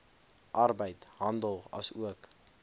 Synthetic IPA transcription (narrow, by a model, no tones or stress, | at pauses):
ʔɐrbəjtɦɐndəlˠɐ̰suək